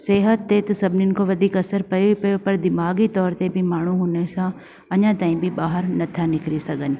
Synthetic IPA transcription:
seːɦət̪ːet̪ɐsɐbʱɪnɪnɪ̆koʋɐd̪ʱiːkɐsəɾpɐjopɐjopɐɾd̪ɪmaːɡit̪ɔːɾt̪ebʱɪmaːɳ̤uɦuːnesã | ɐɲãt̪aːɦĩbʱɪbaːɦəɾnɐt̪ʰanɪkɾisɐɡʱənɪ̆

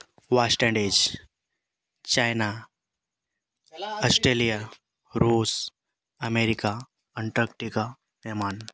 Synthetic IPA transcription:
ʋasʈɛ̃ɳɖed͡ʒ | t͡ɕajna | ɔsʈɾelija | ɾuːs | əmeɾika | əɳʈəkʈika | eman

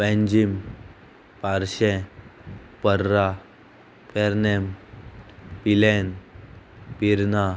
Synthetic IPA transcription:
pɛ̃ɲd͡ʑim | paɾɕɛ̃ | pəɾːa | pɛɾnɛm | pilɛn | piɾna

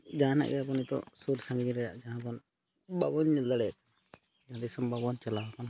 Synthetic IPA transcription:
d͡ʒana̰ʔijabɔnit̪ɔ̰suɾsaŋɡd͡ʒiɾɛja̰ʔd͡ʒaɦãbɔn | babɔnːild̪aɽɛk̚ | d͡ʒaad̪isɔmbʱabɔnt͡ʃɛlawakɔn

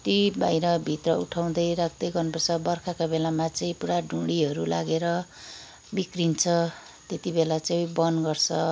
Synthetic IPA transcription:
t̪ibajɾʌbʱit̪rʌṵʈʰaw̃d̪ʌjɾak̚ʰd̪ʌjɡʌrnpʌrt͡sʰʌbʌrkʰakabelamat͡sʌĩpuɽaɖʱuɽiɦʌɾulaɡeɾʌ | bikrint͡sʰʌ | t̪et̪ibelat͡saj̃bʌnɡʌrt͡sʰʌ

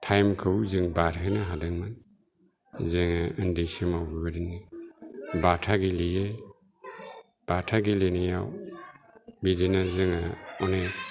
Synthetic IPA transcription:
tʰajmkʰɯwzɯŋbaɾɦenaɦadɯŋman | zɯŋaɯndisimawbibɯɾinɯ | batʰaɡilije | b̥atʰaɡilenajaw | bidinazɯŋaɔne

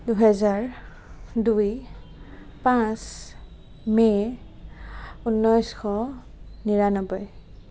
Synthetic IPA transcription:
duɦɛzaɹ | duj | pãs | mɛ | unːɔjsxʰɔ | niɹanɔbɔj

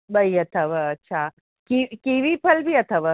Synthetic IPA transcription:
bəjət̪ʰəʋəːtːɕʰa | kikiʋiːpʰəlbʱiːət̪ʰəʋə

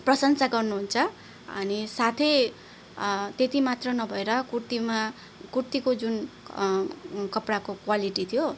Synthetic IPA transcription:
prʌsʌnsaɡʌrnuɦunt͡sʰʌ | ʌ̰nisat̪ʰe | t̪et̪imat̪rʌnʌbʱʌeɾʌkurt̪ima | kurt̪ikod͡zun | kʌpɽakokwaliʈit̪ʰijo

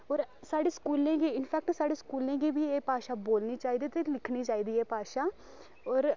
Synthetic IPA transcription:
ɔːɾsaːɖeːskuːlẽːɡiːɪnpʰɛːk̚ʈsaːɖeːskuːlẽːɡiːbʱiːeːpaːʃaːboːlniːt͡ʃaːiːd̪iːt̪eːlɪkʰniːt͡ʃaːiːd̪iːɛːpaːʃaː | ɔːɾ

